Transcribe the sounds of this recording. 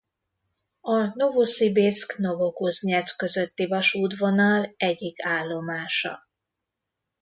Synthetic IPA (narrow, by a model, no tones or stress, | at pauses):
ɒno̞vusibirskno̞vokuzɲɛskø̞zø̞t̪ːivɒʃuːd̪vo̞nɒlɛɟikaːlːo̞maːʃɒ̰